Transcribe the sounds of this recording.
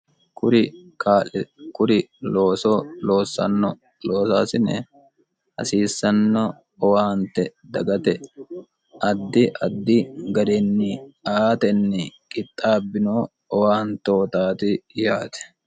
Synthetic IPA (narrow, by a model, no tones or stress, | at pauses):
kʊɾɪkaːkʊɾɪloːsɔloːsɐ̰nːɔ | loːsaːsɪnɛ | hɐ̰siːsːɐnːɔ | ɔwaːnt̪ɛd̪ɐɡɐt̪ɛ | ʔɐd̪ːɪʔɐd̪ːɪɡɐd̪ɛnːiaːt̪ɛnːɪkʼɪt̪ʼːaːbːɪnoː | ɔwaːnt̪o̞ːt̪aːt̪ɪjaːt̪ɛ̥